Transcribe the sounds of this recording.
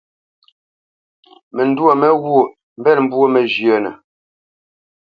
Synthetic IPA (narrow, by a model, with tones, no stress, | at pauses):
mɛ˨n˦dwo˨mɛ˦ɣwo˦˨ | m̩˦bɛ˦˨nm̩˦bwo˦mɛ˨d͡ʒjə˨nə̰˨